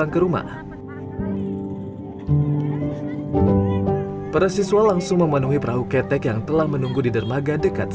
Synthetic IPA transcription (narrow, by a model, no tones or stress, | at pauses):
aŋkəɾuma̰ | paɾasisualaŋsʊŋməmənuɦipɾaɦukɛt̪ɛkjaŋt̪əlahmənuŋɡudidərmaɡadəka̰t̪̚